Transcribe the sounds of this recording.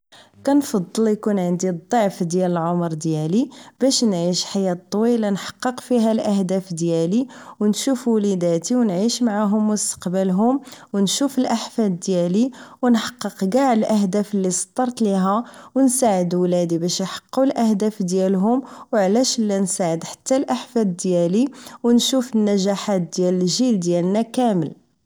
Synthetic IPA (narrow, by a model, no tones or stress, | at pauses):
kænfɑd̪ˤːəljkunʕənd̪id̪ˤːɑʕfd̪jæləlʕomɾˤd̪jælib̥æʃnʕiʃħajæt̪ˤːwilɑnħɑ̥qːəqfiɦælʔæhd̪æfd̪jæliwnʃufwlid̪æt̪iwnʕiʃmaʕaɦʊmːʊst̪ə̥qbəlɦʊmwnʃufəlʔaħfæd̪ːjæliwnħɑ̥qːəqɡaʕəlʔəɦd̪æfəlːisˤt̪ˤːɑɾˤt̪liɦæwənsaʕəd̪wlæd̪ibæʃjħɑ̥qːulʔæhd̪æfd̪jælɦʊmwʕlæʃəlːænsaʕəd̪ħḁt̪ːælʔaħfæd̪d̪jæliwnʃufənːæʒaħat̪̚d̪jæləlʒild̪jælnækæməl